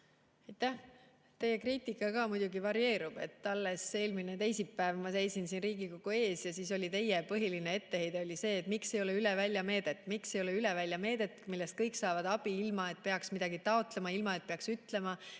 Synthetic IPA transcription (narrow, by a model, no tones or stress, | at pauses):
ɑjt̪ːæh | t̪e̞jekriːt̪ˑikːˑɑkɑːmud̪̥ʲuɡivɑɾje̞ːɾub̥et̪ːɑlːe̞se̞ːlminet̪e̞jsipːæevmɑse̞jsinsinriːɡikoɡ̥ue̞ːsjɑsiːso̞lʲit̪e̞jːepɤɦiline̞e̞t̪ːehe̞jd̪eo̞lʲise̞ːt̪ːˑmikse̞jo̞le̞ylevælʲjɑme̞ːd̪̥e̞t̪ːˑmikse̞jo̞leylɛvælʲjɑme̞ːd̪̥e̞t̪ːˑmilːe̞st̪̚kɤjksɑːvɑd̪ɑb̥iilmɑe̞t̪̚pe̞ɑksmid̪̥ɑɡ̥it̪ɑo̞t̪ˑle̞mɑilmɑe̞t̪̚pe̞ɑksyt̪le̞mɑ